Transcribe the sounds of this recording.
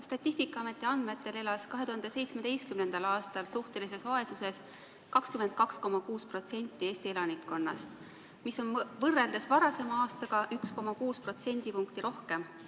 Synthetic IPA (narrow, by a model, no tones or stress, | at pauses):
st̪ɑt̪ʲːˑist̪ikːˑɑɑme̞t̪ːˑeɑnd̪me̞t̪ːˑe̞le̞lɑskɑɦe̞t̪uhɑnd̪̥ese̞jt̪sme̞d̪̥e̞jskymne̞nd̪̥ɑlɑːst̪ɑlsuht̪e̞lis̬e̞svɑe̞suse̞s | kɑkskymend̪̚kɑksko̞mɑkuːspro̞t̪se̞nʲt̪ːˑie̞ːst̪ie̞lɑnikko̞nːɑ̰st̪ | miso̞nvɤrːe̞ld̪̥esvɑɾɑse̞mɑɑːst̪ɑɡ̥ɑʔyksko̞mɑkuːspro̞t̪se̞nʲd̪̥ipuŋkt̪iɾo̞hke̞m